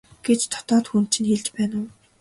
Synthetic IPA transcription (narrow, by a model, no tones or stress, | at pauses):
ɡ̥et͡ɕt̪ʰɔ̥t̪ɔːt̪xun̥t͡ɕʰĭnxeɮt͡ɕpæːnʊː